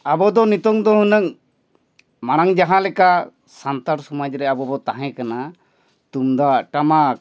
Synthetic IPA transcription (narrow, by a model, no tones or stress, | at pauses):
abɔd̪ɔnit̪ɔŋd̪ɔɦɔnəŋ | maɽ̃aŋd͡ʒaɦãlɛka | sant̪aɾsɔmad͡ʒɾɛabɔbɔt̪aɦɛ̃kana | t̪umd̪aʈama